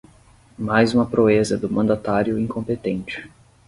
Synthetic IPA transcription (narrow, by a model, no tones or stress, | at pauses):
majzũmɐpɾoezɐd̪ʊmɐ̃nd̪at̪aɾjʊĩŋkõmpet̪ẽnt͡ʃɪ̥